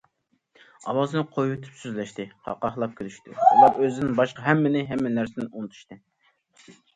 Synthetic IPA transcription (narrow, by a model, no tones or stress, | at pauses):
ɑ̰wɑzɨnɨqʰojwut̪ʰy̥psyzlɛʃt̪ɪhʰɑ̰qːɑχlˠɑp̚kʲʰelyʃt̪ɪ̰ulˠɑɾøzɪnɪŋbɑʃqɑɦɛmːɪnɪɦɛmːɪnæɾsɪnɪunɨt̪ʰu̥ʃt̪ɨ